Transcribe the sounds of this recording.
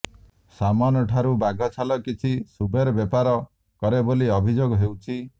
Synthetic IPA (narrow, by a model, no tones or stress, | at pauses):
samɔnɔʈʰaɾubaɡʱɔt͡ʃʰalɔkit͡ʃʰisubʱeɾɔbɔpaɾɔ | kɔɾeboliɔbʱid͡ʒoɡɔɦewt͡ʃʰi